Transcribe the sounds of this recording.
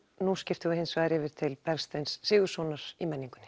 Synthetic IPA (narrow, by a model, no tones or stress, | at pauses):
nuscɪft̪ɪɣʏhensvaːjɾɪvɪɾ̥t̪ʰɪlpɛɾ̥st̪ejnsːɪːɣʏ̥sɔːnaɾ̥imɛnːiŋkʏ̥nɪ